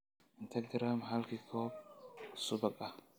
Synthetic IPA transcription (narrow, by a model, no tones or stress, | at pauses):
ɪnt̪ʰɐɡɾamɦɐlkɪkʰɔːb̚sʊbɐkʼɐ